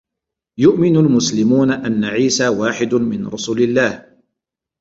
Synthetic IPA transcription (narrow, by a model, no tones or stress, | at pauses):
jʊʔmɪnʊlmʊslɪmuːnaʔanːaʕiːsaːwaːħɪd̪ʊmɪnɾˤʊsuːlɪlːaːh